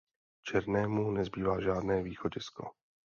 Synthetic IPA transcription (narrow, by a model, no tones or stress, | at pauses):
t͡ʃɛɾnɛːmunɛzbiːvaːʒaːdnɛːviːxoɟɪsko̰